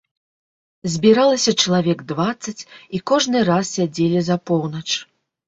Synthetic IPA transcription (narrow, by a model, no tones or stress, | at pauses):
zʲbʲiɾalˠɐsʲɐt͡ʂɐlˠavʲɛɡd̪vat̪sːɐt͡sʲikɔʐnɨrassʲad͡zʲelʲizɐpɔwnɐt͡ʂ